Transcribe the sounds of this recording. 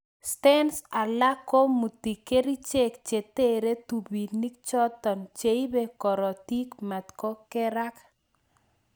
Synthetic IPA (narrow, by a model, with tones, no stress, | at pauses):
stɛ˦nsa˨la˦ko˦mu˨t̪i˨ke˦ɾi˦t͡ʃe˦k̚t͡ʃe˨t̪e˦ɾe˦tu˨bi˨ni˦k̚t͡ʃɔ˦t̪ɔ˨nt͡ʃe˨i˦be˦kɔ˨ɾɔ˨t̪i˦kma˨t̪kɔ˦kɛ˦ɾa˦k